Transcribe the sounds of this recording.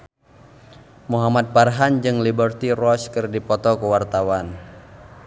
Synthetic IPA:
muɦamat̪̚parɦand͡ʒɨŋlibərt̪irɔskɨrdipɔt̪ɔkəwart̪awan

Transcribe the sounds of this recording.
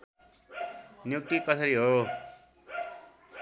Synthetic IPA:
njuk̚t̪ikʌsʌɾiɦoo

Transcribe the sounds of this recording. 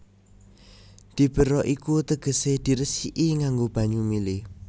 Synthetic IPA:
d̪̥i̤b̥ə̤ɾɔʔikut̪əɡ̥ə̤sed̪̥i̤ɾəsiʔiŋaŋɡob̥ä̤ɲumilɪ

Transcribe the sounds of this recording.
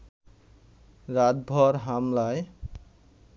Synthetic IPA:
ɾad̪̚bʱɔɾɦamlae

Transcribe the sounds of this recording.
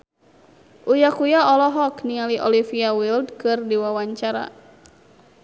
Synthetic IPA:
ʔujakujaɔlɔɦɔknialiʔɔ̰lifiawildkɨrdiwawaɲt͡ʃaɾa̰

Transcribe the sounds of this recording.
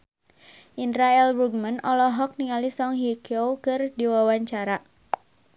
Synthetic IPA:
ʔinɾaɛlruɡ̚mənɔlɔɦɔk̚niŋalisɔŋɦikowkɨrdiwawaɲt͡ʃaɾa

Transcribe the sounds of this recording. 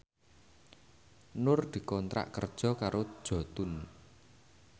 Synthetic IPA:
nʊrd̪̥i̤kɔnt̪ɾa̰ʔkə̰rd̥ʒ̥ɔ̤kaɾod̥ʒ̥ɔ̤t̪ʊn

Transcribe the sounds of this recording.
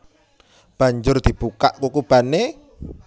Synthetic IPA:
b̥a̤ɲd͡ʒʊrd̪̥i̤b̥uka̰ʔkukub̥a̤ne

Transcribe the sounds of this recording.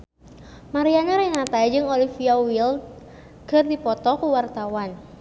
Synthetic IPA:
maɾiaɲaɾɛnat̪ajd͡ʒɨŋolifiawil̚ | kɨrdipɔt̪ɔkuwart̪awan

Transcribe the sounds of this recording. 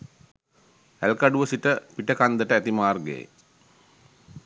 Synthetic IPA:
ælkaɖuʋəsiʈəpiʈəkand̪əʈəæt̪imaːrɡḛː

